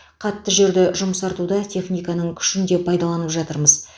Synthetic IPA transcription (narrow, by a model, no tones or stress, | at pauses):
qʰɑt̪ːəʒe̞ɾd̪ɪʒʊməsɑɾt̪ud̪ɑt̪ʲʰe̞χnʲijkɑnəɴkʲʰʏ̥ʃɪnd̪e̞pʰɑjd̪ɑlˠɑnəpʒɑt̪əɾməz